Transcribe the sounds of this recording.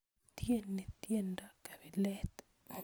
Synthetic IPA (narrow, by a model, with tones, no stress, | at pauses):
t̪je˦nːi˨t̪je˦nda˨ka˨bi˨lɛt̪